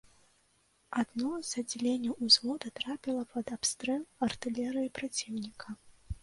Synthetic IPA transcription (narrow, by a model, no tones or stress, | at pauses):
ad̪nɔz̥ɐd͡zʲilʲenʲːɐwuzvɔd̪ɐt̪ɾapʲilˠɐpɐd̪apst̪ɾɛlˠɐrt̪ɨlʲɛɾɨjipɾat͡sʲiwnʲikʰɐ